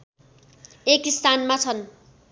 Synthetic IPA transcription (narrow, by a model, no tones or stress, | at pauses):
ekist̪anmat͡sʰʌn